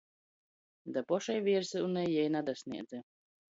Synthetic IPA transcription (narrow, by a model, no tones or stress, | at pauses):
d̪apɔʃɛjviɾsɨunːɛjɛjnad̪asʲnḭɛd̪zʲɛ